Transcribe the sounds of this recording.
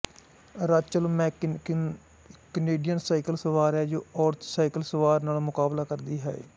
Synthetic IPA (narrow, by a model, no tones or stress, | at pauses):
ɾaːt͡ʃəlmɛ̃ː | kəneːɖijənsaːɪkəlsəʋaːɾɛːd͡ʒoːɔːɾt̪ʰsaːɪkəlsəʋaːɾnaːlmʊkaːblaːkəɾd̪iːɦɛ̰ḛː